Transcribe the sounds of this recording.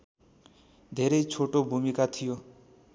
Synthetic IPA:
d̪ʱeɾejt͡sʰoʈobʱumikat̪ʰijo

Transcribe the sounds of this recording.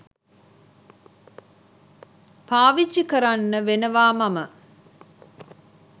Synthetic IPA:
paːʋit͡ʃːikəɾanːəʋenəʋaːmamə

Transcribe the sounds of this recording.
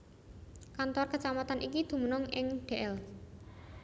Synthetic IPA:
kant̪ɔrkət͡ʃamat̪anʔikid̪̥ṳmənɔŋɪŋɖ̪̥e̤ʔɛl

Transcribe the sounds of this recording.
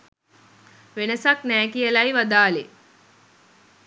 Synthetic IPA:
ʋenəsaknæːkijəlajʋad̪aːle

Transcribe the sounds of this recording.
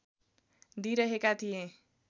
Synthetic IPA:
d̪iɾʌɦekat̪ʰijẽ

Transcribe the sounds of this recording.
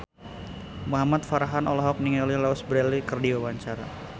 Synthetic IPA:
muɦamat̪̚faɾaɦanʔɔlɔɦɔk̚niŋɔlilaʊsbɾɛlikərdiwawaɲt͡ʃaɾa

